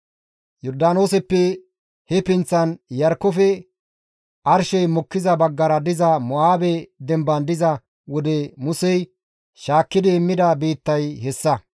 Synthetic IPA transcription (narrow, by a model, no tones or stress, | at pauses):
jɔɾd̪aːnoːsɛpːɛ | hɛpɪnt͡sːɐnjɐɾkːɔfɛ | ʔɐɾʃɛjmɔkːɪzɐbɐɡːɐɾɐd̪ɪzɐmɔaːbɛd̪ɛmbɐnd̪ɪzɐ | wɔd̪ɛmʊsɛj | ʃaːkːɪd̪ɪːmːɪd̪ɐbiːt̪ːɐjhɛsːɐ